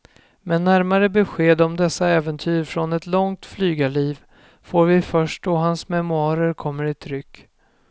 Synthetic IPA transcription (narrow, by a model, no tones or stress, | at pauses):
mɛnːæɾmaɾəbɛɧeːd̪ɔmd̪ɛsːaɛːvənt̪ʰyːɾfɾɔnɛt̪lɔŋt̪flyːɡaɭiːv | foːɾvɪfœʂʈ̚dɔɦansmɛmʊɑːɾəɾkʰɔmːəɾɪt̪ʰɾʏkː